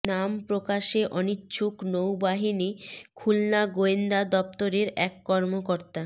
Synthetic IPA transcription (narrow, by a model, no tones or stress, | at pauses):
nampɾokaʃeʔɔnitːt͡ɕʰuknowbaɦinikʰulnaɡoend̪ad̪ɔp̚t̪oɾeɾɛkːɔɾmokoɾt̪a